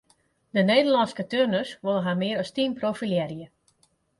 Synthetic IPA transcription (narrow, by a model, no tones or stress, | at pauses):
dəneːdərlɑnskətørnøsʋolˠəɦamɪəɾɔstinprofiljɛrjə